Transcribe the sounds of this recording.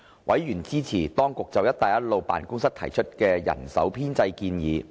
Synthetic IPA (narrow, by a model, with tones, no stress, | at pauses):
wʔɐ̰˨˥jjyː˨˩nt͡siː˥t͡sʰiː˨˩t̪ɔː˥ŋkʊ˨k̚t͡sɐ˨wjɐ˥t̚t̪a˨jɐ˥t̚lo˨˧wpa̰ː˨nkʊ˥ŋsɐ˥k̚t̪ʰɐ˨˩jt͡ʃʰɵ˥t̚kɛː˧jɐ̰˨˩nsɐ̰˨˥wpʰiː˥nt͡sɐ˧jkiː˧njiː˨˧